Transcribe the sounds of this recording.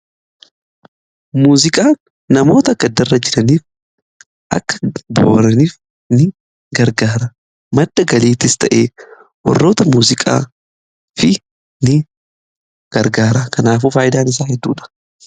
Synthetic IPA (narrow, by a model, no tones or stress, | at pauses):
muːzɪkʼaːnː | ɐmo̞ːt̪ɐɡɐd̪ːɐrːɐd͡ʒɪᶑɐniːf | ʔɐ̰kːɐ̥bo̰ːɾɐniːf | nɪ | ɡɐɾɡaːɾɐ | mɐd̪ːɐɡɐliːt̪ːɪst̪ɐʔeː | wɐ̰rːo̞ːt̪ɐmuːzɪkʼa̰ː | fɪ | nɪ | ɡ̥ɐɾɡaːɾɐkʰɐnaːfuːfaːjɪd̪aːnɪs̬aːhɛd̪ːṵːᶑɐ̥